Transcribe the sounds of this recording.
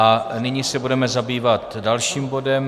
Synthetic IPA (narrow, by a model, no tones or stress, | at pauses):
ʔanɪɲisɛbudɛmɛzabiːvat̪dalʃiːmbo̞dɛm